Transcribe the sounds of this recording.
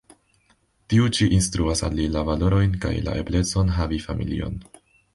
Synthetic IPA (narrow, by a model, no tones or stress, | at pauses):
tiut͡ʃiʔinstɾuasa̰lːilavalo̞ɾo̞jnka̰jla̰ʔe̞̰ble̞t͡so̞nɦavifamʔḭlḭo̞̰n